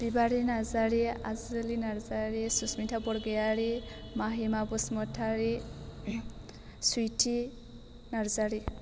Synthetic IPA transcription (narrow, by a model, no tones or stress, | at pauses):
b̥ibaɾinazaɾia̰zɯlinaɾzaɾisusmitʰabɔɽɡejaɾimaɦimabusmɔtʰaɾi | sujtʰi | naɾzaɾi